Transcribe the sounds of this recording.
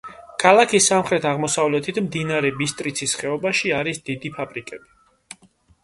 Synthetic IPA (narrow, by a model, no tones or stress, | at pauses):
kʰalˠakʰisːamχɾɛt̪ʰaʁmɔsavlɛt̪ʰit̪ʰmd̪inaɾɛbist̪ʼɾit̪sʰisχɛɔbaʃiaɾisd̪id̪ipʰapʼɾikʼɛbi